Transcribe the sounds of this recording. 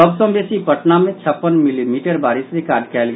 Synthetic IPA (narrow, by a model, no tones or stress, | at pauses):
əbsə̃mbeːsipəʈnamẽt͡ʃʰəpːənmɪlimiːʈəɾbaːɾɪsɾɪkaːɾɖkʰɛːlɡ